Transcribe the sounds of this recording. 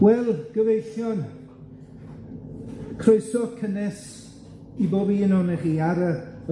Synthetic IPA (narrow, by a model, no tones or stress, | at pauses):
wɛlˠɡ̥əvejθjɔn | kʰroɨsɔkʰənɛs | iboːbiɪnɔnɛχiːaɾə